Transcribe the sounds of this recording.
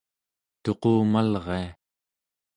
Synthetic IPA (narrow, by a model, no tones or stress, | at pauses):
t̪o̞qoːmalʁe̞a